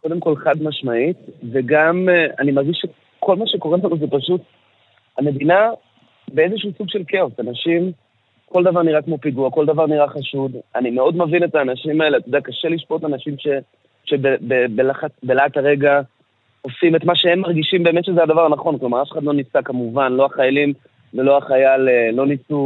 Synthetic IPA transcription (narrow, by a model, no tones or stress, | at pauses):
ko̞d̪emko̞lχad̪maʃmaitveɡamanimaʁɡiʃe | kʰo̞lmaʃe̞ko̞ʁelanuzepaʃut̪ | ame̞d̪ina | bee̞zeʃuusuɡʃe̞lkʰeosanaʃim | kold̪avaʁniʁakmo̞piɡuako̞ld̪avaʁniʁaχaʃud̪animeo̞d̪mavine̞taːnaʃimae̞leat̪jod̪akaʃeliʃpo̞tanaʃimʃe̞ | ʃe̞bebebelaχabelaathaʁe̞ɡa | ofimetmaʃeemmaʁɡiʃimbe̞ːmetʃe̞zead̪avaʁnaχo̞nklomaʁafeχadlo̞nisakamuvanlo̞aχajalim | velo̞aχajaleːo̞nisu